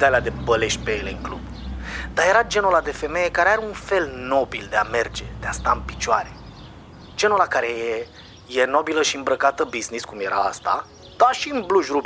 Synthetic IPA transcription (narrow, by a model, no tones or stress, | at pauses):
id̪aliad̪e̞bəleʃt̪ʲpeeleɨŋklub | d̪̥aje̞ɾad͡ʒe̞nolad̪e̞fe̞meje̞kaɾeaɾeunfe̞lno̞bild̪eame̞rd͡ʒe̞d̪̥east̪aɨmpi̥t͡ʃoaɾe̥ | d͡ʒe̞nulakaɾe̞je | jeno̞biləʃiɨmbɾəkat̪əbizniskumje̞ɾʔaa̰st̪a̰ | d̪̥aʃiɨmbluʒrub